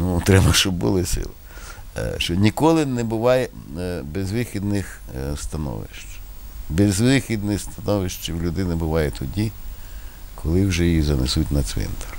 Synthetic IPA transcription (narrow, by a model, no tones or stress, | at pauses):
nut̪ɾɛbɐʃt͡ʃɔbbʊ̰lˠɪsɪ̰lˠɪ | ʃt͡ʃɔnʲikɔlˠɪnɛbʊʋɑjɛbezʋɪxʲid̪nɪxst̪ɐnɔ̰ʋɪ̰ʃt͡ʃbɛzʋɪxʲid̪nɪst̪ɐnɔʋɪʃt͡ʃiwlʲʊd̪ɪnɪbʊʋɑjɛt̪ʰɔdʲi | kʰɔlˠɪwʒɛjjizɐnḛsutʲnɐsʲʋɛ̰nt̪ɐr